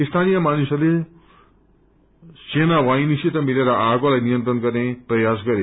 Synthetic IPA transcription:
ist̪ʰanijʌmanusʌle | senawajnisit̪ʌmileɾʌʔaɡolajnijʌnt̪rʌnɡʌrneprʌjas̬ɡʌɾe

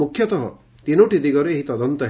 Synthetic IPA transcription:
ukʰjɔt̪ɔɦɔ̰ | t̪inoʈid̪iɡɔɾeːɦit̪ɔd̪ɔnt̪ɔɦ

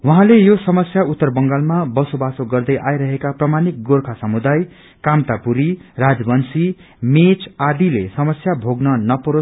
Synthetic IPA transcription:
wʌɦãlejosʌmʌsjaut̪ːʌrbʌŋɡalmabʌsobasoɡʌrd̪ʌjʔajɾʌɦekaprʌmanik̚ɡorkʰasʌmud̪aj | kamt̪apuɾirad͡zbʌnsi | met͡sad̪ilesʌmʌsjabʱoɡnʌnʌpuɾo

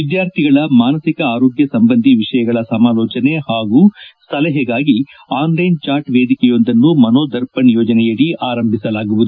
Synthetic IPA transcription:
ʋid̪jaːɾt̪ʰiɡɐɭɐmaːnɐsikɐaːɾoːɡjɐsɐmbɐnd̪ʱiʋiʂɐjɐɡɐɭɐsɐmaːlɔːt͡ʃɐne̞haːɡust̪ʰɐlɛɦɛɡaːɡi | aːnlɐjnt͡ʃaːɾʈʋeːd̪ikɛjo̞nd̪ɐnːumɐnoːd̪ɐɾpɐnjoːd͡ʒɐnɛjɐɽiʔaːɾɐmbʱisɐlaːɡuʋud̪u

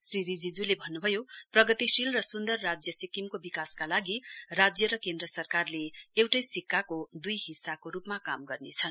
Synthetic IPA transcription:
sriɾid͡zid͡zulebʱʌnːubʱʌjoprʌɡʌt̪isilrʌsund̪ʌrːad͡zjʌsikimkobikaskalaɡirad͡zjʌɾʌkend̪rʌsʌrkarleewʈʌjsikːakod̪ujɦisːakoɾupmakamɡʌrnet͡sʰʌn

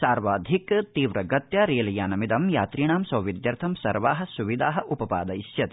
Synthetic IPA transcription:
saːɾʋaːd̪ʱikt̪iːʋɾɐɡɐt̪jɐɾeːlɐjaːnɐmid̪ɐmjaːt̪ɾiːɳaːmsɐwʋid̪jɐɾt̪ʰɐmsɐɾʋaːɦɐ̆suʋid̪aːɦɐ̆ʔupɐpa̰ːd̪ɐiʃjɐt̪i

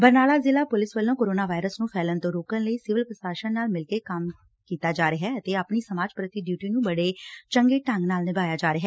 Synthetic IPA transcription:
bəɾnaːlaːzɪlaːpʊlɪsʋəlːõːkoːɾoːnaːʋaːɪɾəsnũːpʰɛːlənt̪õːɾoːkənləiːsɪʋɪlpɾəsaːʃənnaːlmɪlkeːkəm | kiːt̪aːd͡ʒaːɾeɦɛːət̪eːaːpniːsəmaːd͡ʒpɾət̪iɖjuːʈiːnũːbəɽeːt͡ʃəŋɡeːʈə̃ŋɡnaːlnɪbaːjaːd͡ʒaːɾɪɦɛː

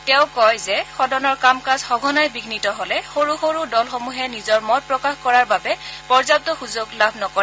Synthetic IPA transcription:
tɛʊkɔjzɛxɔdɔnɔɹkamkazxɔɡʱɔnajbiɡʱnitɔɦolɛxoɹuxoɹudɔlxomuɦɛnizɔɹmɔt̚pɹɔkaxkɔɹaɹbabɛpɔɹzap̚tɔxuzoɡlabʱnɔkɔ

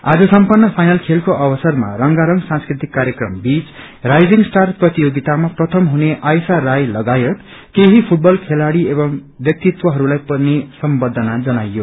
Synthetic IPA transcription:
a̰d͡zʌsʌmpʌnːʌpʰajnʌlkʰelkoʔʌbʌsʌrma̰rʌŋɡaɾʌŋɡsãnskrit̪ikːaɾjʌkrʌmbit͡s | rajd͡ziŋɡsʈarprʌt̪ijoɡit̪amaprʌt̪ʰʌmɦuneʔajsarajlʌɡajʌt̪ | keɦipʰuʈ̚bʌlkʰelaɽiebʌŋ | bjʌk̚t̪it̪wʌɦʌɾulajpʌnesʌmbʌd̪ʱʌnad͡zʌnajːo

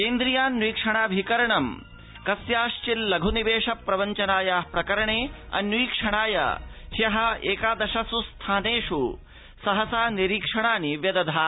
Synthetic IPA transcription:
keːnd̪ɾijaːniːkʂɐɳaːbʱikɐɾɐɳɐm | kɐsjaːʃt͡ʃilːɐɡʱuniʋeːʂɐpɾɐʋɐɲt͡ʃɐnaːjaːhpɾɐkɐɾɐɳeːɐ̰njuiːkʂɐɳaːjɐ̰hjɐɦɐ̆eːkaːd̪ɐʃɐsust̪ʰaːneːʂu | sɐɦɐsaːniɾiːkʂɐɳaːniʋjɐd̪ɐd̪ʱaː

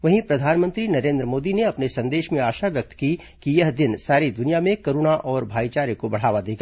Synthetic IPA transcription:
ʋɐɦĩpɾɐd̪ʱaːnmə̃nt̪ɾinɐɾẽːnd̪ɾəmoːd̪ineɐpnesɐ̃nd̪eːʃmẽaːʃaʋjɐk̚t̪ki | kijɐɦd̪ɪnsaːɾid̪ʊnijamẽkɐɾuːnaʔɔːɾbʱaːɡit͡ʃaːɾjəkobɐɽ̤aːʋad̪eːɡa

